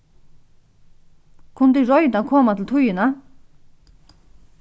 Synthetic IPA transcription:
kʰuŋt̪yːɹojit̪aŋkʰomat̪ut̪ʰuʔjøna

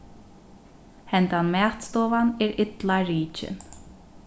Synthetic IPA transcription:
hɛnt̪anmɛːt̪st̪ɔːvanɛɹɪt̪laɹiːt͡ʃɪ̰n

